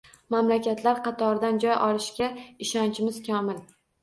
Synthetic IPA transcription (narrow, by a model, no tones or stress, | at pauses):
mamlakʲʰat̪ʰlaɾqɑt̪ʰɒɾd̪and͡ʒɒjʔɒlˠɪʃkʲaɪʃɒnt͡ʃʰɪmɪz̥kʲʰɒmɪl